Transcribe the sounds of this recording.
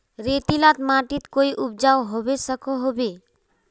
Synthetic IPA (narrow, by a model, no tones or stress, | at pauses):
ɾeːt̪ilat̪maːʈit̪koːiʔʊp̚d͡ʒaːwɦobesəkʰoɦobe